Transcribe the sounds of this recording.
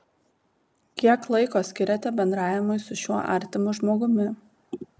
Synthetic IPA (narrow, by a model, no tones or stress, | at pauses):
kʲiɛklˠɐɪkoːsʲkʲɪɾʲɛt̪ʲɛbʲɛnd̪ɾɑːjʲɛmʊɪsʊʃʲuɔʔɐ̰ˑɾʲt̪ʲɪmʊʒmoːɡʊmʲɪ